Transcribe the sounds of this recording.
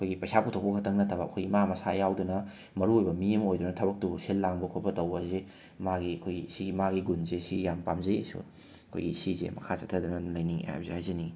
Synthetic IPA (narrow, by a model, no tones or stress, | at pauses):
ɐkʰojɡipɐjsaputʰokpɐkʰɐtʰɐŋnɐtʰɐbɐɐkʰojɡimamɐsajawdunɐ | mɐɾuojbɐmiɐmojdunɐtʰɐbɐk̚tuselːaŋbɐkʰopɐtɐwbɐze | maɡiɐkʰojɡisimaɡiɡunzesijampamzɐesṵ | ɐkʰo̰jɡisizḛmɐkʰat͡ʃɐtʰɐdunɐlɐjniŋḛa̰p̚zehajzɐni